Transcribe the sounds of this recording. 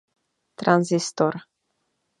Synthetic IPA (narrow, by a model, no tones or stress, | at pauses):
t̪ɾanzist̪or